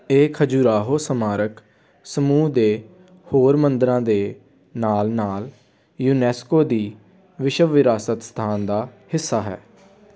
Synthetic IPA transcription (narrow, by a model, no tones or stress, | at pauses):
eːkʰəd͡ʒuːɾaːɦoːsəmaːɾək | səmuːd̪eː | hoːɾmənd̪əɾãːd̪eː | naːlnaːl | juːnɛːskoːd̪iː | ʋɪʃəʋːɪɾaːsət̪st̪ʰaːnd̪aːhɪsːaːɦɛ̰ː